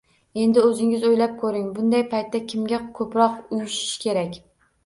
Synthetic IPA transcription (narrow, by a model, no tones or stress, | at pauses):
e̞nd̪ɪɵzɪŋɪzojlap̚kʰɵɾɪŋbʊnd̪ajpʰajt̪ʰːakʲʰɪmɡʲakʰɵpɾɒqʊjʊʃɪ̥ʃkʲʰe̞ɾakʲ